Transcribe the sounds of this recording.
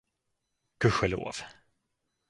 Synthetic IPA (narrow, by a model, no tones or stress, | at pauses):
kʰɵɧɛlo̰ːv̥